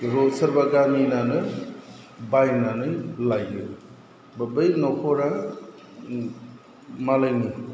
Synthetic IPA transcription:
ɾosɐɾbaɡaminanɯ | bajnanɯjlajɯ | bɐbɯjnɔkʰɔɾa | malajni

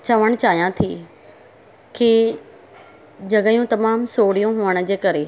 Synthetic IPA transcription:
t͡ɕɐʋəɽ̃t͡ɕaːɦijãt̪ʰḭː | ki | d͡ʑɐɡəjũt̪ɐmaːmsoːɽijũɦuəɽ̃ʊ̆d͡ʑeːkɐɾe

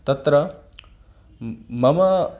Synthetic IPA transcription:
t̪ɐt̪ɾɐ | mɐmɐ

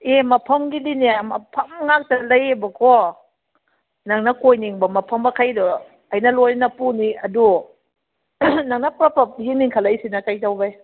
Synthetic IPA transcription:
emɐpʰɐmɡiliniamɐpʰɐmŋak̚talajebɐkʰɔ | naŋnɐkojniŋbɐmɐpʰɐmakʰajdɔ | ajnɐlojnɐpuniɐdu | naŋnɐpɾpʰɐp̚hiŋniŋkʰalajsinɐkajtawbaj

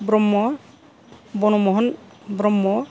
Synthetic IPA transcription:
bɾɔmːɔ | bɔnɔmɔɦɔn | bɾɔmːɔ

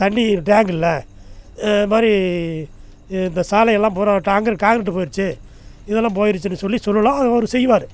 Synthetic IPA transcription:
t̪ɐɳɖiʈaːŋɡɪlːɐ | maːɾi | ɪnd̪ɐsaːlɐjɛlːãːpoːɾaːʈːaːŋɡɐɾkaːŋɡɪɾɐʈːɯpoːjɪɾɯt͡ʃːɯ | ɪðɛlːãːp̬oːjɪɾɯt͡ʃːɯnːɯsɔlːisɔlːɐlãːɐðɯɔɾɯsɛjːɯʋaːɾɯ

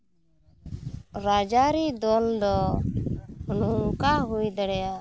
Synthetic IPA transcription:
ɾad͡ʒaɾid̪ɔld̪ɔ | nukaɦujd̪ɛɽɛja

